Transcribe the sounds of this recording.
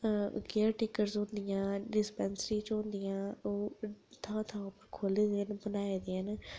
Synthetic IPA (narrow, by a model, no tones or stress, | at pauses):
ɡeːɾʈɪkəɾzɦʊ̃nd̪ɪjãːɖɪspɛːnsɾĩːt͡ʃɦʊ̃nd̪ɪjãːoːt̪ʰãːt̪ʰãːʊpəɾkʰoːleːd̪eːnbənaːeːd̪eːən